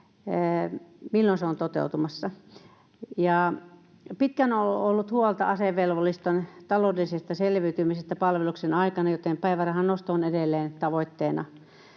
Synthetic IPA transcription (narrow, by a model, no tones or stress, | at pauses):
milːonseont̪ot̪ḛˑut̪umɑsːɑ | jɑˑ | pit̪kænoolːut̪huolt̪ɑ̰ɑseʋʋelʋolːˑist̪ont̪ɑloːˑdelisest̪ɑselʋiyt̪ymisest̪ːæpɑlʋeluksenɑikɑnɑjot̪empæˑiʋærɑhɑnnost̪oːnedelːeːnt̪ɑʋoit̪ːeːnɑ̰